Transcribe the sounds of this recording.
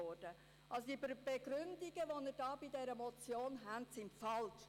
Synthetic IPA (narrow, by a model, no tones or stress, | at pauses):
ɔd̥ə | ʔɑlsodibb̥eɡɾʏndiɡəʋonəɾdɑːbidɛɾəmɔt͡sjoːnɦɛntsɪmfɑlt